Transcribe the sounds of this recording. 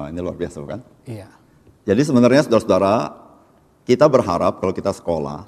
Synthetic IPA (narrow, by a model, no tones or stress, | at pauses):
a̰inilua̰rbiasaukan | ia | d͡ʒadis̬əbənarɲasudaɾasudaɾa | kit̪abərɦaɾap̚kalowkit̪asə̥kola̰